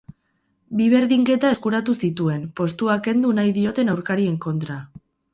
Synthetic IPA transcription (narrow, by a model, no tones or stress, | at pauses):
biβe̞ɾðiŋke̞t̪ae̞skuɾat̪usit̪ue̞npo̞st̪uake̞nd̪unajðio̞t̪e̞nawɾkaɾie̞ŋko̞nt̪ɾa